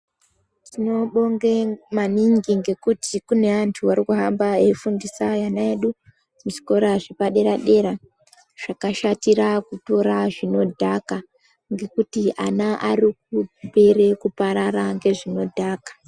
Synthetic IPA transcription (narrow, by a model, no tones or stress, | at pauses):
tino̞ɓo̞ŋɡemaniŋɡiŋɡe̞kutikune̞antʰuʋaɾikuɦambaefundisajanaeɗu | mut͡ʃi̥ko̞ɾaʐepaɗe̞ɾaɗe̞ɾa | ʐ̥akaʃatiɾakuto̞ɾaʐino̞dʱaka | ŋɡe̞kutiʔanaʔarik̚upe̞re̞kupaɾaraŋɡe̞ʐino̞dʱaːkḁ